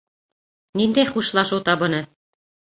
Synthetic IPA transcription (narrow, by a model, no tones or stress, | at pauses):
nind̪æjχuʃlˠɑʃɤwt̪ɑβɤ̆nɤ